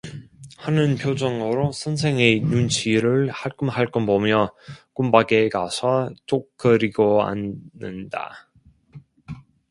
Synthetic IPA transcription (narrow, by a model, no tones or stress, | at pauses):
hanɯnpʰjod͡ʑʌŋoɾosʰʌnsʰe̞ŋenunt͡ɕʰiɾɯɭhaɭk͈umhaɭk͈ʌnbomjʌk͈umbaɡekasʰʌt͡ɕ͈ok̚k͈ʌɾiɡoa̰nːɯnda̰